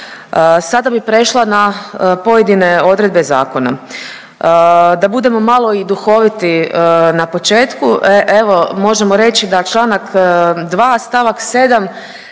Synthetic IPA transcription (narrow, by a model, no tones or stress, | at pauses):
əsad̪abipɾe̞ʃlˠanapo̞je̞d̪ine̞o̞d̪ɾe̞d̪̚be̞za̰ːko̞na̰ | d̪abud̪e̞mo̞malˠo̞id̪uxo̞ʋit̪inapo̞t͡ʃe̞ːt̪kuʔʔeʋo̞mo̞ʒemoɾe̞t͡ʃid̪at͡ʃlˠaːnakd̪ʋaːst̪aʋakse̞ːd̪am